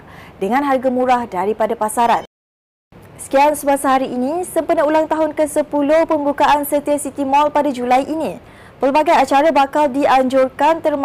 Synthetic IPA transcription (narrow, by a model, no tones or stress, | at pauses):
dəŋãnɦarɡamũɾahdaɾipadapasaɾan | sə̥kiaŋsəbasaɦaɾiʔːnisəmpənəulaŋt̪aɦʊnkəsəpulohpəmbukaʔansət̪iasit̪imɔlpadad͡ʒulajʔini | pəlbaɡajat͡ʃaɾabakaldiaɲd͡ʒʊrkant̪ərm